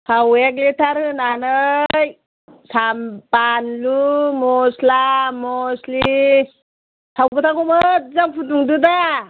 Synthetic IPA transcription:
hʰaweklitʰaɾɯnanɯj | sampanlumɔslamɔslii | tʰawbɯtʰakumɯt̚zampʰutuŋduda

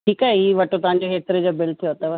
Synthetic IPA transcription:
ʈʰiːkaɛɦiːʋɐʈõt̪ɐʋ̤ãɲ̆d͡ʑoɦeːt̪ɾed͡ʑoːbɪlt̪ʰijot̪ɐʋɐ

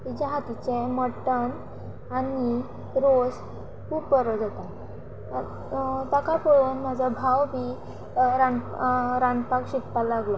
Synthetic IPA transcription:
t̪it͡ɕjaɦat̪it͡ɕɛ̃mɔʈən | ani | ɾos | pukəɾɔd͡zat̪a | t̪akapəɭuːnm̤ad͡zabʱawbi | ɾanɾanpakɕit̪alaɡlɔ

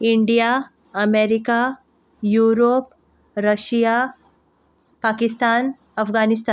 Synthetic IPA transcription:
ɪɳɖija | ɐmeːɾika | juːɾoːp | ɾɐʃija | paːkɪst̪aːn | ɐfɡaːnɪst̪aːn

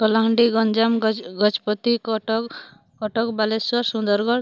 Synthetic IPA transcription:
kɔlaɦɳɖiɡɔnd͡ʒamɡɔt͡ʃpɔt̪ikɔʈk | kɔʈɔkbaleswaɾsund̪ɔɾɡɔɽ

